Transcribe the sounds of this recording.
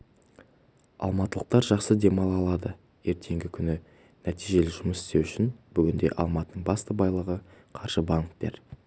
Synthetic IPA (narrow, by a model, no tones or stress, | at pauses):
ɑ̰lˠmɑt̪əlˠəq̚t̪ɑɾʒɑqsəd̪e̞mɑlˠɑlˠɑd̪ə | je̞ɾt̪ʰe̞ŋɡʲɪkʲʰʏnɪ | næt̪iʒe̞lɪʒʊməsɪ̥st̪e̞wʏʃɪnb̥ʏɡʲɪnd̪e̞̰ʔɑ̰lˠmɑt̪ənəɴbɑst̪əbɑjlˠəʁəqʰɑɾʒəbɑŋkt̪e̞̰ɾ